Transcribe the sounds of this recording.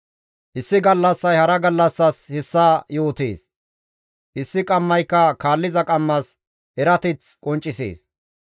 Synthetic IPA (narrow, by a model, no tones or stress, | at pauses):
ʔɪsːɪɡɐlːɐsːɐjhɐɾɐɡɐlːɐsːɐshɛsːaːjo̞ːt̪ḛːs | ʔɪsːɪkʼɐmːɐjkːɐkaːlːɪzɐkʼɐmːɐs | hɛɾɐt̪ɪt͡skʼɔnt͡ʃʼːɪsḛːs